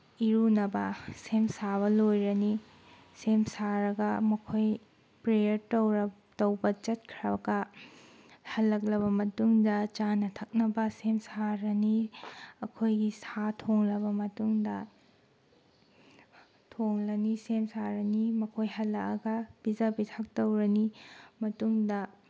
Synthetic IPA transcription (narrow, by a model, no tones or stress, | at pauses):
iɾunɐbɐsemsaβɐlojɾɐni | semsaɾɐɡɐmɐkʰoj | pɾejɐɾtowɾ | tɐwbɐt͡ʃɐt̚kʰɾɐɡɐ | hɐlːɐk̬̚lɐβɐmɐtuŋdɐt͡ʃanɐtʰɐk̚nɐbɐsemsaɾɐniɐkʰojɡisatʰoŋlɐbɐmɐtuŋdɐ | tʰoŋlɐnisemsaɾɐnimɐkʰojɦɐlːɐkɐ̰ɡɐb̥id͡ʒabitʰak̚tɐwɾɐnimɐtuŋdɐ